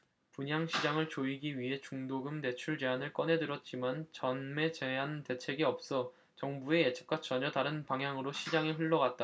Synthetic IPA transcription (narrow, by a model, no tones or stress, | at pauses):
puɲaŋɕʰid͡ʑaŋɯɭt͡ɕoiɡiɥiɦe̞t͡ɕuŋdoɡɯmte̞t͡ɕʰuɭd͡ʑe̞anɯɭk͈ʌnɦe̞dɯɾʌt̚t͡ɕ͈imant͡ɕʌnme̞t͡ɕeante̞t͡ɕʰe̞ɡiʌp̚s͈ʌ | t͡ɕʌŋbue̞jet͡ɕʰe̥k̚k͈wat͡ɕʌɲʌtaɾɯnpaŋɦjaŋɯɾoɕʰid͡ʑaŋiɸuɭːʌɡat̚t͈a